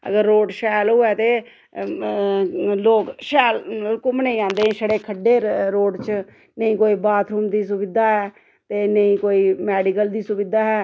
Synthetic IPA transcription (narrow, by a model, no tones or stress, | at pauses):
ə̰ɡəɾːoːɖʃɛːlɦoːɛːt̪eː | loːkʃɛːlkʊmnə̃ĩãːnd̪eːẽːsəɽeːkʰəɖːeːɾoːɖt͡ʃ | nəĩːkoːiːbaːt̪ʰɾuːmd̪iːs̬ʊʋɪd̪aːɦɛː | t̪eːnəĩːkoːiːmɛːɖikəld̪iːsʊbɪd̪aːɦɛː